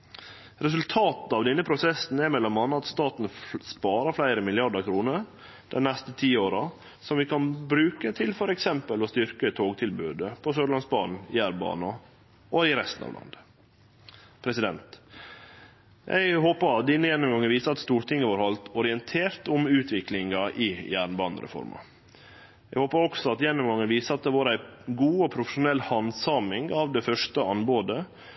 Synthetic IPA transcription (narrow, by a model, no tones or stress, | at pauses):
ɾɛs̬ʉlt̪ʰɑːt̪n̩ɑʋd̪ɛnːəpʰɾʊsɛsn̩æɾmɛlːɔmːɑnːɑt̪st̪ɑːt̪n̩spɑːɾɑɾflæɪɾəmɪlɪɑɖəkʰɾuːnəɾ | d̪̥ɛnnɛst̪ət̪ʰiːoːɾɑ | sɔmʋɪkʰɑnbɾʉːkət̪ʰɪlfɔɾɛksɛmpəlɔst̪ʏɾkət̪ʰoːɡt̪ʰɪlbʉ̰ːd̪əpʰɔsøːd̪əlɑnsbɑ̰ːnn̩ɪæɾbɑ̰ːnɑ | ɔɪɾɛst̪n̩ɑ̰ːʋlɑ̰nd̪ə | pʰɾɛsɪd̪ɛnt̪ | jʔæ̰ɪhoːpəɾɑt̪d̪ɪnːəjɛnːʊmɡɑŋːənʋiːsəɑt̪st̪uːɾʈ̪ɪŋːəʋɑːɾhɑlt̪ɔɾɪɛnt̪ʰeːɾt̪ʊmʉːt̪ʰʋɪklɪŋɑʔɪjæːɳbɑːnə̰ɾʔɛ̰fɔ̰ɾmɑ̰ | jæɡhoːpəɾɔksɔɑt̪jɛnːʊmɡɑŋːənʋiːsəɑt̪̚d̪ɛʋɑːɾæɪɡuːɔpʰɾʊfəʂʊnɛlːhɑnsɑmɪŋɑʋd̪ɛfœʂtəɑnboːd̪ə